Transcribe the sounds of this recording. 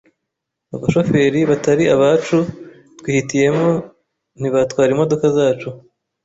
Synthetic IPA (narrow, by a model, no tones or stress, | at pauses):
aβaʃo̞fe̞ɾiβataɾiaβaːt͡ʃu | twiːhitije̞mo | n̥iβatkwaːɾimo̞do̞kazaːt͡ʃu